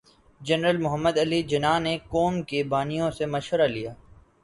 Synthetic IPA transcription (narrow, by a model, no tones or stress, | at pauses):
d͡ʒɐnɾəlmʊɦəmːəd̪ɐlid͡ʒɐnaːnekoːmkebaːnijõsemɐʃʋəɾalijaː